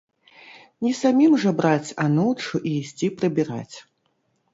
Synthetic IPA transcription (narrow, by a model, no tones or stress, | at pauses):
nʲɛsamʲimʐɐbɾat͡sʲanɔwt͡ʂuʔiːsʲt͡sʲipɾɐbʲiɾa̰t͡sʲ